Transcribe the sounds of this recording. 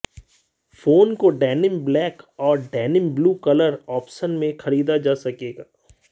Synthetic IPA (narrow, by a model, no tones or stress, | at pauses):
foːnkoɖɛːnɪmblɛːkɔːɾɖɛːnɪmbluːkɐləɾɔːpʃənmẽxɐɾiːd̪ad͡ʒaːsɐkeːɡaː